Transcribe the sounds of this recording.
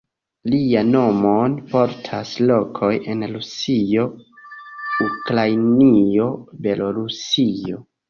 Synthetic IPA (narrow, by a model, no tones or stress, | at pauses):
liano̞monpo̞ɾtʰaslo̞kʰo̞je̞nɾusio̞ | ukɾajnio̞be̞lʔo̞ɾusio̰